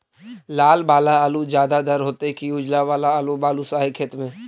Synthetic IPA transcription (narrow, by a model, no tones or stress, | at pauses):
laːlbaːlaaːlud͡ʒjaːd̪ad̪əɾɦoːt̪ekiʊd͡ʒlabaːlaaːlubaːlusaːɦekʰeːt̪mẽː